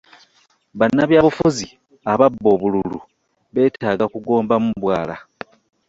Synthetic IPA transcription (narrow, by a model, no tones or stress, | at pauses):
βanːaβjaːβufuzi | aβabːo̞ːβululu | βe̞ːtaːɡakuɡo̞ːmbamuβwaːla̰